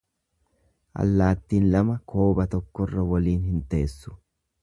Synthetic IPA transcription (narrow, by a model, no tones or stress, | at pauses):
ʔɐ̰lːaːt̪ːiːnlɐmɐkʰo̞ːbɐt̪ɔkːɔrːɐwɐliːnɦɪnt̪e̞ːsːʊ̥